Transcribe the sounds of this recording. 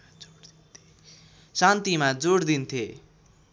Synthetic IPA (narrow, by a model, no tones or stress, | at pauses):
sant̪imad͡zoɽd̪int̪ʰje